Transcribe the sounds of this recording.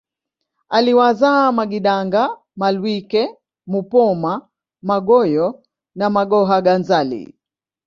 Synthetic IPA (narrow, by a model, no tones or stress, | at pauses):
aliwazamaɡiɗaŋɡa | malwikɛ | mupɔma | maɠɔjɔ | namaɠɔɦaɡanzalḭ